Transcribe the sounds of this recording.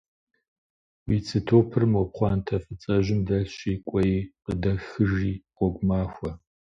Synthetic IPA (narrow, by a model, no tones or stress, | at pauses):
wit͡sʰɨtʰoːpʰɨrmwɔpχʷɑːntʰɐfɨt͡sʼɐʒɪmdɐɬɕiːkʷʼɔjiqədɐxɨʒiːqʷɔɡʷmaːxʷɐ